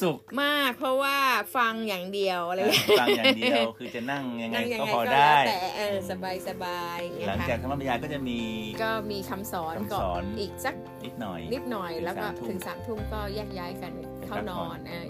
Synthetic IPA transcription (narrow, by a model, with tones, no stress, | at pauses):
su˨˩kmaː˥˩k̚pʰɾɔ˦˥waː˥˩fa˧ŋjaː˨˩ŋdi˧əwʔa˧ɾa˧ji˩˦˧ja˨di˧wkʰɯː˧t͡ɕa˨˩na˥˩ŋja˧ŋna˧˩ŋja˧ɔː˥˩a˧ɔː˧˥daː˩˥a˩˥˩j̪ɛː˨˩ʔɤː˧˩sa˧baː˧jsa˧baː˧ja˦la˩˦ŋ˦t͡ɕaː˨˩k̚t̪ʰa˧˦ma˧˥˩pʰa˧jaː˧kɔ˥˩t͡ɕa˨˩ʔmiː˧kɔː˥˩miː˧kʰa˧msɔː˩˦n˧kɔː˨ɔː˩˦nʔiː˨˩k̚t͡ɕa˨˩k̚ni˦˥t̪̚nɔ˨˩jni˦˥t̪̚nɔ˨˩jlɛː˦˥wkɔː˥˩t̪ʰɯ˨˩˦ŋsaː˩˦mt̪ʰu˥˩mkɔː˥˩jaː˥˩k̚jaː˦˥jka˧n˩kʰa˥˩wnɔː˧˦nʔaː˧˩